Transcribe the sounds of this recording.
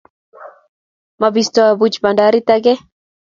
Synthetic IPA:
mabistɔbut͡ʃbandaɾit̪aɡɛ

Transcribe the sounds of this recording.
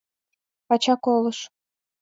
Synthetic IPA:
pɑt͡ɕɑkolɤ̆ʃ

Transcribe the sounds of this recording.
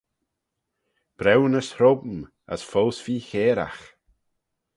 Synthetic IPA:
b̥ɾɛwnəsɾɔbm̩ | a̰sfɔlsfiːçeːɾa̰x

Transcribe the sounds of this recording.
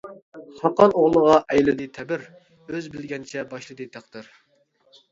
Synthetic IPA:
χɑqɑnoʁlˠəʁɑʔɛjlɨd̪ɨt̪ʰɛbɪɾ | øzbɪlɡʲɛnt͡ʃʰɛbɑʃlˠɨd̪ɨt̪ʰæqt̪ɨɾ

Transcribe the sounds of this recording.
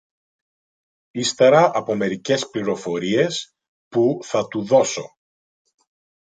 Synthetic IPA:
ist̪eɾɐʔɐpo̞me̞ɾice̞spliɾo̞fo̞ɾie̞s | puθɐt̪uðo̞so̞̰

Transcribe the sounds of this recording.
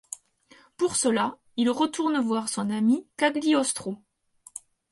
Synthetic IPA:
puʁsəla | ilʁət̪uʁnəvwaʁsɔ̃namikaɡliɔst̪χo

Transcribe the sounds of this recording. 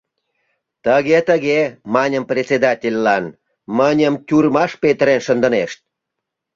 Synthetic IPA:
t̪əɣet̪əɣemɑnʲəmprʲet͡sʲed̪ɑtʲelʲːɑn | mənʲəmtʲurmɑʃpet̪əɾenʃənd̪ə̆neʃt̪̚

